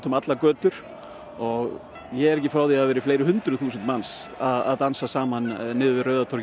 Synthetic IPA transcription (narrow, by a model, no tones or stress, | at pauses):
t̪ʏmat̪lakœːt̪ʏɾ̥ | ɔɣ | jɛɛɾɛc̬ɪfɾaːwðiaðvɛːɾɪfleːjɾɪhʏnt̪ɾʏθuːsʏnt̪mans | aða̰ðt̪ansasaːmannːɪːðʏvɪrœːɥðat̪ʰɔɾ